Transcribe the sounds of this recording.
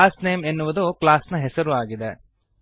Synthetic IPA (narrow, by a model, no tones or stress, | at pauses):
aːsneːmenːuʋɐd̪uklaːsnɐɦɛsɐɾuaːɡid̪e